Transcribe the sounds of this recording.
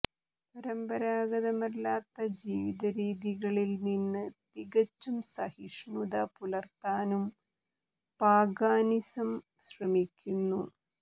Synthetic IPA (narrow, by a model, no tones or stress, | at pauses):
pɐɾɐmbɐɾaːɡɐðɐmɐlːaːt̪ːɐd͡ʑiːʋiðɐɾiːðiɣɐɭilninːɨt̪iɣɐt͡ɕːumsɐhiʂɳud̪ɐpulɐrt̪aːnum | paːɡaːnisɐm | ɕrɐmikʲːunːu